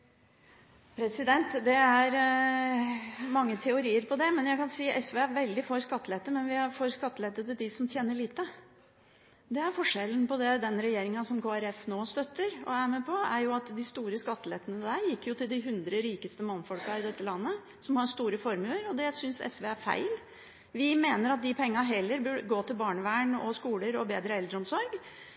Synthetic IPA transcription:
pʰɾɛsɪd̪ɛnt̪d̪ɛæɾ | mɑŋːət̪ʰɛʊɾiːəɾpʰɔd̪ɛmɛnjæɪkɑnsiːʔɛsʋeːæɾʋɛld̪ɪfɔɾskɑt̪ːəlɛt̪ːəmɛnʋɪhæɾfɔɾskɑt̪ːəlɛt̪ːət̪ɪld̪ɪsɔmt̪ʰjeːnəɭiːt̪ə | d̪ɛæɾfɔʂɛln̩pɔd̪ɛd̪ɛnɾɛjeːɾɪŋəsɔmkʰoːæɾɛfnoːst̪œt̪ːəɾɔ̰æmɛpʰɔæɾjʊɑt̪d̪ɪst̪uːɾəskɑt̪ːəlɛt̪ːənəd̪æɾjɪkːjʊt̪ɪld̪ɪɦʉnd̪ɾəɾiːkəst̪əmɑnːfɔlkɑɪd̪ɛt̪ːəlɑnːə | sɔmhɑɾst̪uːɾəfɔɾmʉləɾɔd̪ɛsʏnsɛ̰sʋeːæɾfæ̰ɪl | ʋɪmeːnəɾɑt̪̚d̪ɪpʰɛŋːɑɦɛlːəɾbʉɡoːt̪ʰɪlbɑːɳəʋæːɳɔ̰skuːləɾɔbeːd̪ɾəɛld̪ɾəɔmsɔɾɡ

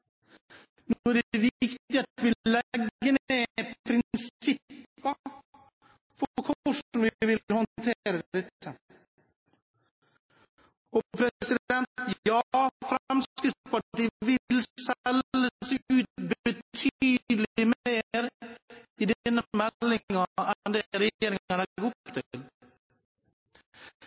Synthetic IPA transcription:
nːæɖvɪkt̪ɪat̪ʋɪlɛɡːənepʰɾɪnsɪppːə | fɔɾkʰɔʂɔmɪʋɪlhɔnt̪ʰeːɾad̪ɛt̪ʰːə | ɔpʰɾɛsɪd̪ɛnt̪jɑfɾmskɾɪft̪spaʈiːvɪlsɛlːəsɪʉːt̪̚bɛt̪ʰyːd̪lɪmeːɾ | ɪd̪nːmɛlːɪŋaɛnd̪ɛɾɛjeːɾɪŋaɳahupt̪ʰɪl

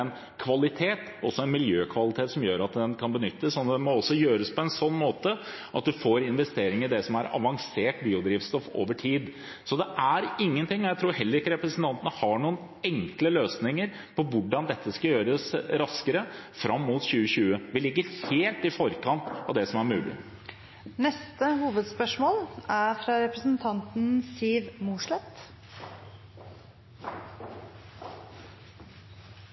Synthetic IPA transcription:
ɛn | kʰʋɑlɪt̪ʰeːt̪ | ɔsːɔɛnmɪljøːkʰʋɑlɪt̪ʰeːt̪sɔmjøːɾɑt̪̚d̪ɛnkʰɑnbənʏt̪ːəsːɔnd̪ɛmɔɔsːɔjøːɾəspʰɔɛnsɔnːmoːt̪ə | ʔɑt̪̚d̪ʉfoːɾɪnʋɛst̪eːɾɪŋɪd̪ɛsɔmæɾɑ̰ʋɑŋseːʈbiːʊd̪ɾiːʋst̪ɔfo̰ːʋəʈʰiːd̪ | sɔd̪ɛʔæɾɪŋːənt̪ɪŋːɔjæɪt̪ʰɾuːɾɦɛlːəɾɪkːəɾɛpɾəsənt̪ʰɑnt̪ənəhɑɳuːən | ɛŋkləløːsnɪŋəɾ | pʰɔʋʊɖɑnd̪ɛt̪ʰːəskɑjøːɾəsɾɑskəɾəfɾʔɑmːuːt̪ɕʉːəɕʉːəʋɪlɪɡːəɾheːlt̪ɪfɔɾkɑnt̪ɑʋd̪ɛsɔmæɾmʉːlʔɪ̰ | nɛst̪əhuːʋəd̪spœʂmoːlæɾfɾɑɾɛpɾəsənt̪ʰɑnt̪n̩siːʋmuːʂɭɛt̪

